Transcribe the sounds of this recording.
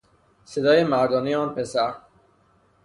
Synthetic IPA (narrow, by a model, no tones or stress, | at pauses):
sed̪ɒːjemæɾd̪ɒːnejeɒːnpʰesæɾ